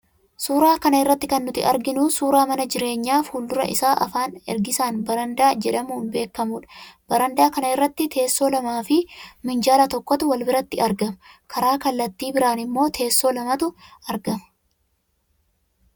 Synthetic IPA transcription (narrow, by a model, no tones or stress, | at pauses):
suːɾaːkɐnɐɪrːɐt̪ːɪkɐnːʊt̪ɪʔɐɾɡɪnʊsuːɾaːmɐnɐd͡ʒɪɾe̞ːɲːaːfhuːld̪ʊɾɐ̰ʔɪ̰saːʔɐ̰faːnɛ̰ɾɡɪsaːnbɐɾɐnd̪aːd͡ʒɛᶑɐmuːnbe̞ːkːɐmuːᶑɐ̥b̥ɐɾɐnd̪aːkɐnɐɪrːɐt̪ːɪt̪ʰe̞ːsːo̞ːlɐmaːfɪmɪnd͡ʒaːlɐt̪ɔkːɔt̪ʊwɐlbɪɾɐt̪ːɪɐɾɡɐmkʰɐɾaːkɐlːɐt̪ːiːbɪɾaːnɪmːo̞ːt̪ʰe̞ːsːo̞ːlɐmɐt̪ʊɐɾɡɐm